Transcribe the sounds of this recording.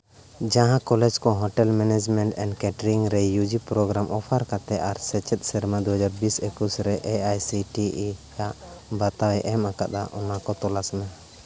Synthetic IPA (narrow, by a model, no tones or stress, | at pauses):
d͡ʒãɦãkɔlɛd͡ʒkɔɦɔʈɛlmɛnɛd͡ʒmɛ̃ɳʈɛnɖkɛʈɾiŋɾɛjud͡ʒipɾɔɡɾamʔɔpʰaɾkat̪ɛʔaɾsɛt͡ʃɛt̪̚sɛɾmad̪uɦad͡ʒaɾbisekusɾɛʔɛajsiʈijaʔ | bat̪awɛʔɛmaka̰ʔ̪̚d̪a̰ʔɔnakɔt̪ɔlasmɛ